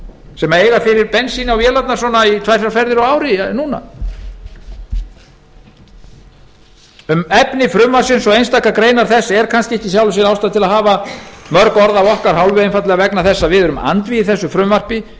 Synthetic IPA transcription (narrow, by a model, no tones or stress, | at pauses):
sɛmaeːjɣafɪɾɪɾpɛnsinawvjɛːlat̪nḁsɔnait̪ʰvaj̥θawfɛɾðɪɾɔaːwɾɪnuna̰ | ʏmɛpnɪfɾʏmvar̥sɪnsɔɣejnst̪aːkakɾeːjnaɾ̥θɛsːɛɾ̥kʰanscɪɛhcɪsjawlʏs̬ɛɾawst̪at̪ʰɪlaðɦaːvamœɾkɔɾðawɔhkaɾ̥hawlvʏejnfat̪lɣavɛknaθɛsːavɪðʏɾʏma̰nt̪viðɪθɛsːʏfɾʏmvar̥pɪ